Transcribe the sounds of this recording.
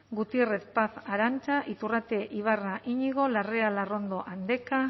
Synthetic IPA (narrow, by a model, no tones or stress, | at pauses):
ɡut̪iereθpaθaɾant͡ʃaʔit̪urat̪e̞ʔiβaraʔiɲiɣo̞larealaro̞nd̪o̞ʔand̪e̞ka